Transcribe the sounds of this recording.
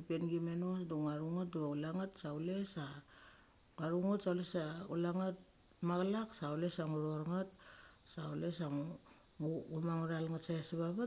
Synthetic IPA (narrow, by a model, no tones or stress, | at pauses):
penɡimenosduŋaɾuŋat̚duaulaŋatsaulesa | ŋaɾuŋatsawlesaṵlaŋat̚ | maɡlaksawlesaŋuɾoɾŋat̚saulesaŋu | ŋuɡumaŋuɾalŋatsajasiβaβa